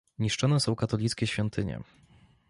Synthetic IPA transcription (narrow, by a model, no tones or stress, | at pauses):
ɲiʂt͡ʂɔnɛsɔ̃w̃kat̪ɔlʲit̪skʲɛɕfʲjɔnt̪ʰɘɲɛ̰